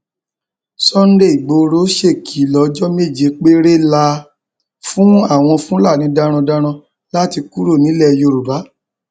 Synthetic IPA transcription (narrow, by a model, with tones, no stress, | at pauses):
sɔ˦n̩˦de˦˨i˨ɡ͡bo˧˦ɾo˦ʃe˦˨kʰi˨˦lɔ˨˦d͡ʒɔ˦me˦˨d͡ʒe˨˦k͡pe˦ɾe˦la˧ | fũ˦a˦˨w̃ɔ̃˧fũ˦la˦˨nĩ˨˦da˧ɾ̃ɔ̃˧da˧ɾ̃ã˧ | la˦ti˧ku˦ɾo˦˨nĩ˨˦lɛ˦˨jo˧˨ɾu˨ba˨˦